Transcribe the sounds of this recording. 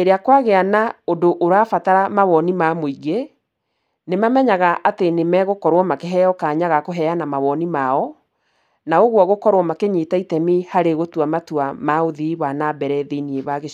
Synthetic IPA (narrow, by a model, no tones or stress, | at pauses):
eɾeakwaɣeanaodoʔoɾaːfataɾamaβɔnimamoiɣe | nemamɛɲaɣaʔatenemɛɣokɔɾwɔmakeɦɛɔkaɲaɣakoɦɛjanamaβɔnimaɔ | naoɣwɔɣokɔɾwɔmakeɲetaitɛmihaɾeɣotuamatuamaoðiwanabɛɾɛðinieβaɣe